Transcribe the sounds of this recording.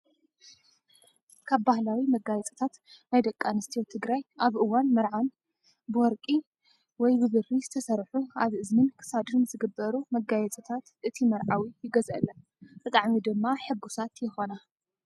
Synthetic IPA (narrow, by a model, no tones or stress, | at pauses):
kʰaβbahlawimɐɡajɛt͡sʼɐ̥t̪ʰat̪najd̪ɐkʼːanɨst̪ʰijot̪ʰɨɡɾajʔaβʔɨwanmɐɾʕan | bɨwɔɾkʼi | wɔjbɨβɨrːizɨt̪ʰɐsɐɾħuaβʔɨzmɨnkʰɨ̥sad̪ɨnzɨɡɨbːɐɾumɐɡajɛt͡sʼɐt̪ʰat̪ʔɨt̪ʰimɐɾʕawijɪɡɐzɐ̰lːɐ | b̥ɨt̪ʼaʕmid̪ɨmːaħɨbːusat̪jɪxona